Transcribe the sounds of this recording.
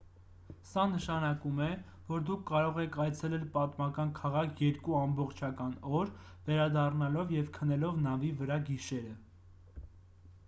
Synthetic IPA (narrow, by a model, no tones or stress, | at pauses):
sɑnəʃɑnɑkumɛ | vɔɾd̪ukʰːɑɾɔʁɛkʰɑjt͡sʰɛlɛlpɑt̪mɑkɑnkʰɑʁɑkʰjɛɾkuɑmbɔχt͡ʃʰɑkɑnɔɾvɛɾɑd̪ɑrnɑlɔvjɛvkʰənɛlɔvnɑvivəɾɑɡiʃɛɾə